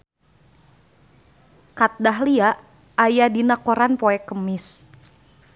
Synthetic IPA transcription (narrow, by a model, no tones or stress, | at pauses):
kat̪̚daɦliaʔ | ajadinakoɾanpoɛkəmɪs